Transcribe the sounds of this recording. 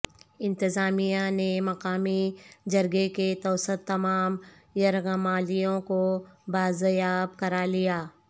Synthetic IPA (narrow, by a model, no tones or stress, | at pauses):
ɪ̃nt̪ɪzaːmijanemɐqaːmid͡ʒɐɾɡeket̪ɐːsət̪ːɐmaːm | jɐɾɣɐmaːlijõkobaːzjaːb̚kɐɾalijaː